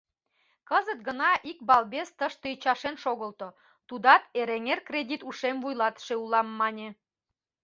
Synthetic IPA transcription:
kəzət̪̚ɡənɑʔik̚bɑlbest̪əʃt̪əit͡ɕɑʃenʃoɣəlt̪o | t̪ud̪ɑt̪eɾeŋerkrʲedʲit̪uʃemvujlɑt̪ʃeulɑmːɑnʲe

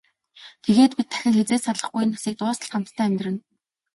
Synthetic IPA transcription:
t̪ʰeɣeːt̪pit̪ʰːæ̥xʲɪ̆ŋxet͡seːsaɮə̆χɡuj̆nːasiːk̚t̪ʊːsə̆ɮt̪χam̥t̪t̪ʰæːæmʲt̪rɘ̆n

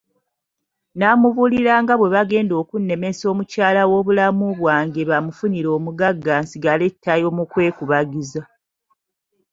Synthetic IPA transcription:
naːmuβuliɾaːŋɡaβwe̞βaɡe̞ːndo̞ːkunːe̞me̞so̞ːmucaːlawo̞ːβulamuβwaːŋɡe̞βamufuniɾo̞ːmuɡaɡːaːnsiɡaletʰːajo̞mukwe̞ːkuβaɡiza

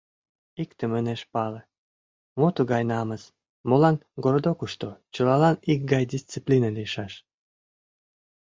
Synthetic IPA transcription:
ikt̪eməneʃpɑlə̆ | mot̪uɣɑjnɑməs | molɑnɡoɾod̪okuʃt̪ot͡ɕəlɑlɑnik̚ɡɑjd̪ʲist͡siplʲinəliəʃɑʃ

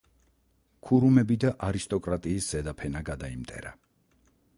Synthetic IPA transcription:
kʰuɾumɛbid̪aʔaɾist̪ʼɔkʼɾat̪ʼiːsz̥ɛd̪apʰɛnaɡad̪aimt̪ʼɛ̰ɾa̰

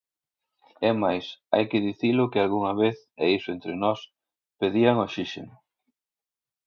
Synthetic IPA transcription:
ɛmajsa̰jkɪðiθilʊkɪalɣuŋɐβeθ | eisʊent̪ɾɪnɔs | peðiaŋoʃiʃenʊ

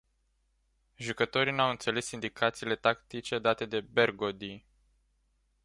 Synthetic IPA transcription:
ʒukət̪o̞ɾinawɨnt̪sele̞sind̪ikʰat̪siːle̞t̪akt̪it͡ʃe̞d̪at̪e̞d̪e̞be̞rɡod̪i

